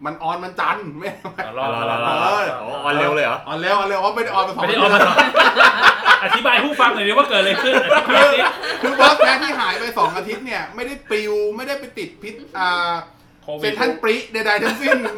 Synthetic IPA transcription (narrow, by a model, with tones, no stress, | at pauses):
ma˧nʔɔː˧nma˧nt͡ɕa˧nma˦˩˦maː˦˥˧ɔ˨˧˦ʔɔː˧nlɛ˧˥wləː˧jʔa̰˨˦ʔɔː˧nlɛː˦˩wʔɔː˧nle˧waː˧˥m˥˩jda˥˩jʔɔː˧npa˧jsɔ˨˦˩d̪ɔː˦˧˨ | a˧t̪ʰi˦baː˧jpuː˥˩fa˧ŋna˨˩di˧˦wa˥˩kɤː˨˩t̪̚lə˧kʰɯ˥˩n˧kɯː˧˩i˦˥kʰɯː˧˥bɔ˦˥skɛː˦˥t̪ʰiː˥˩ɦaː˨˩˦jpa˧jsɔː˩˦ŋʔa˧t̪ʰi˦˥t̪̚ni˥˩ɐma˥˩jda˥˩jpi˧wma˥˩jda˥˩jpa˧jt̪i˨˩t̪̚pʰi˦˥t̪̚ʔəː˨˩˧ | pe˧t̪ʰa˦˥˩npi˦˥ʔda˧jda˧jt̪ʰa˦˥ŋsi˧˥˩ŋ